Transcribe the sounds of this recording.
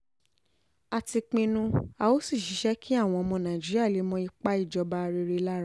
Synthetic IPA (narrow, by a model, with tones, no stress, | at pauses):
a˧ti˧k͡pĩ˧nũ˧a˧o˦si˦˨ʃi˨˦ʃɛ˦kʰi˦a˦˨w̃ɔ̃˧mɔ̃˧nã˨d͡ʒi˦ɾi˦a˦˨le˨˦mɔ̃˦i˧k͡pa˦i˦˨d͡ʒɔ˧ba˧ɾe˧ɾe˧la˦ɾa˦